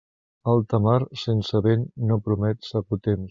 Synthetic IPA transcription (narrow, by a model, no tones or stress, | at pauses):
əlˠt̪əmaɾsensəβenːopɾumɛt̪səkut̪em